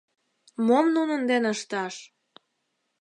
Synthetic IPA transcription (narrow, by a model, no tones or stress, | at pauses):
momnunə̆nd̪enəʃt̪ɑʃ